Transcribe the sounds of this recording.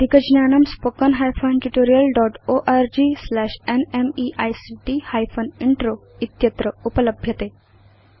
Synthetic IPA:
d̪ikəd͡ʑnjanɐmspokənɦajfənʈuʈoɾijəlɖɔʈoʔaɾd͡ʑislæɕenemiʔajsiʈihajfʰəniɳʈɾo | it̪jət̪ɾəupələbʱjət̪e

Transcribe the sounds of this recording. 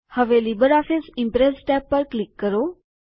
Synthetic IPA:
həʋeːlibəɾaːfʰɪsɪ̃mpɾɛsʈɛːpːəɾklɪkːəɾoː

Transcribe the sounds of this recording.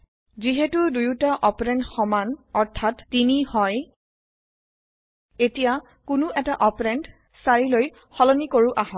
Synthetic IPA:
ziɦetudujutaʔɔpɔɹɛntxɔmanɔɹtʰatːinihɔj | etija | kʊnʊʔɛtaʔɔpɔɹɛnt | saɹiloj | xɔlɔnikoɹuʔaɦɔt

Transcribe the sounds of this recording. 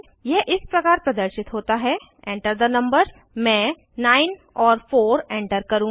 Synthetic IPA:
jɛɦʔɪspɾɐkaːɾpɾɐd̪əɾʃɪt̪ɦoːt̪aɦɛ | ẽːɳʈəɾd̪ənɐ̃mbəɾz | mɛ̃ː | naːɪn | ɔːɾfoːɾẽːɳʈəɾkɐɾũː

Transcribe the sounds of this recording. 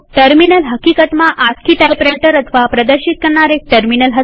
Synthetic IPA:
ʈəɾminəlɦəkikət̪mãʔat͡skiʈ̪epɾeʈəɾət̪ʰəʋapɾəd̪əɾʃit̪̚kəɾɳaɾek̚ʈəɾminəlɦə

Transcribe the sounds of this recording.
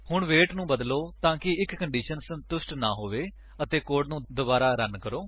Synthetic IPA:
hʊɳʋeːʈnũːbəd̪loːt̪ãːkɪɪkkəɳɖiːʃənsənt̪ʊsʈna̰ːɦoːʋeː | ət̪eːkoːɖnũːd̪ʊbaːɾaːɾənkəɾoː

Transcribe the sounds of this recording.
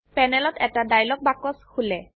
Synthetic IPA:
pɛnɛlɔtɛtadajlɔk̚bakɔskʰulɛ

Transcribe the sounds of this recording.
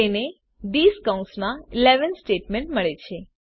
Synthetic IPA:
ene | ɖiskaũnsmãileʋənsʈeʈmẽɳʈməɭet͡ʃʰe

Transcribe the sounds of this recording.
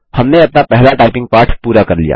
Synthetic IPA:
hɐmneɐpnapɛɦlaʈaːɪpɪ̃ŋɡ̚paːɾʈʰpuːɾakɐɾlḭja̰ː

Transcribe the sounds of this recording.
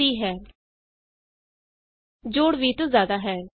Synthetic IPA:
iːɦɛː | d͡ʒoːɽʋiːt̪õzjaːd̪aːɦɛː

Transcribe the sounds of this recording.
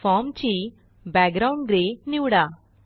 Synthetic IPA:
faːmt͡ʃi | baːɡɡɾawɳɖɡɾeːniwɽa

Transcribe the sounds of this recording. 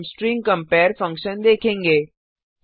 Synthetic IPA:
msʈɾĩːŋkə̃mpɛːɾfɐ̃ŋkʃənd̪eːkʰẽːŋɡeː

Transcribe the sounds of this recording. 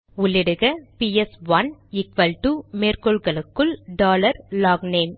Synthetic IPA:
ʊɭːɪɽɯɣɐpiɛsʋɐnɪkʋɐlʈuːmeːrkɔɭɣɐɭɯkːɯɭɖaːlɐɾlaːɡneːm

